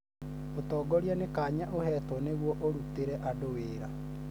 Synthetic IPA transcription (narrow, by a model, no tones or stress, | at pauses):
otɔːɡɔɾjanekaːɲaʔohɛtwɔneɣwɔʔoɾuteɾɛʔadoweɾa